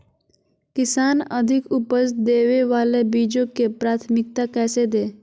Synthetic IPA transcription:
kɪsaːnəd̪ʱɪkʊpəsd̪eːʋeʋaːlebiːd͡ʒõkepɾaːt̪ʰmɪk̚t̪akɛːsed̪eː

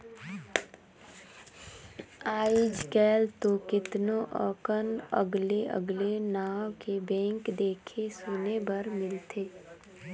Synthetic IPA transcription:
aːɪd͡ʒkɛːlt̪okɪt̪noʔəːkənə̰ɡleʔə̰ɡlenaːwkebɛ̃ːŋkd̪eːkʰesoːnebəɾmɪlt̪ʰeː

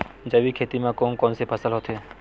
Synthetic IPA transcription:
d͡ʒəʋikʰet̪imãkɔnkɔnsepʰəsəlɦot̪ʰe

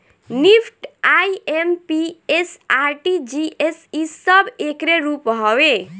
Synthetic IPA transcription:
nipʰʈajempiesaɾʈid͡ʒiesisʌbekɾeɾupɦɔwe

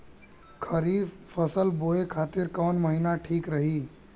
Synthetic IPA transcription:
kʰəɾifpʰəsəlboekʰat̪iɾkɔːnməɦinaʈʰiːkɾəɦi

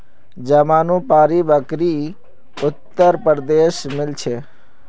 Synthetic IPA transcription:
d͡ʒəmaːnũpaːɾibəkɾi | ʊt̪ːəɾpəɾd̪eʃmɪlt͡ʃʰe

